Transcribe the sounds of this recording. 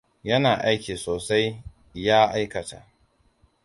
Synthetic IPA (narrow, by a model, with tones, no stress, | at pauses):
jɐ˦naː˨ʔa˦jkʲiː˨soː˨sa˦j | jaː˦ʔa˦jkɐ˨ta̰˨ʔ